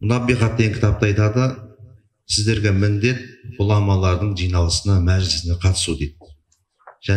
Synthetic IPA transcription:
mʊnɑbijqɑt̪ːeŋkʲʰt̪ɑp̚t̪ɑjt̪ɑd̪ə | sɪzd̪e̞ɾɡʲe̞mɪnd̪e̞t̪̚b̥ʊlˠɑmɑlˠɑɾd̪əɴʒijnɑlˠəsənɑmæʒlɪsɪneqʰɑt̪ə̥sud̪ejd̪̚ | ʒ̥æ

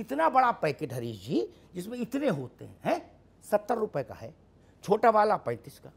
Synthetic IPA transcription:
ɪt̪nabɐɽapɛːkeʈɦɐɾiːd͡ʒi | d͡ʒɪsmẽɪt̪neɦoːt̪ḛɦɛ̃ɦɛ̃ː | sɐt̪ːəɾːʊpəeka̰ɦɛ | t͡ʃʰoːʈaʋaːlapɐ̃ɪt̪iskaː

